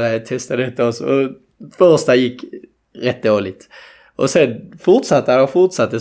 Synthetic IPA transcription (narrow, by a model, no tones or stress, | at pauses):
t̪ʰɛst̪ad̪ɛt̪ːəɔsɔ̰ɔ | fœɾst̪ajɪkː | ɾɛt̪̚ːd̪oːlɪt̪ | ʔɔsɛnfʊʁt̪sɑt̪ːəɔfʊʁt̪sat̪ːə